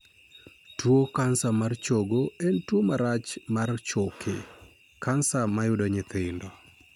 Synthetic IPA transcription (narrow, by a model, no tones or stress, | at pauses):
twokansamart͡ʃoɡoɛntwomaɾat͡ʃmart͡ʃokʰɪ̰ | kʰansamajʊdoɲɪt̪ɪndɔ